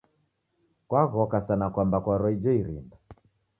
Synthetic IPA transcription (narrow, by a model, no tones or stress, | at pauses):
kwaɣɔkasanakwambakwaɾɔid͡ʒɔiɾḭnda